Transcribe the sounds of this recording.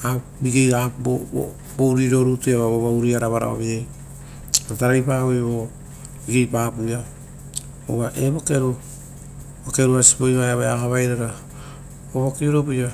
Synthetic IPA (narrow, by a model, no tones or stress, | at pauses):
a | biɡejabo̰ | bowɾiɾo̞ɾutuaβaβoβawɾiaɾaβaɾa̰o̰βiej | ataɾajpaojβo | biɡe̞jpapuja | oβaʔeβoke̞ɾu | boke̞ɾuasi̥pojβajaβaakaβajɾaɾa | oβokiuɾopoja